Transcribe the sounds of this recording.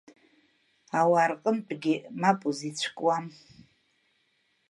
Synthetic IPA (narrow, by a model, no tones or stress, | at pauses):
awaːrqʼəmt͡pʼɡʲɪmapʼuzit͡ɕʷʰkʼwam